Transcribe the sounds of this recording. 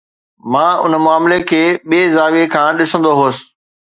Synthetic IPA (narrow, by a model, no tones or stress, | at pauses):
mãːʊ̰nmʊaːmlekʰeːɓiezaːʋekʰãːɗɪsə̃nd̪oɦoːsɪ̥̆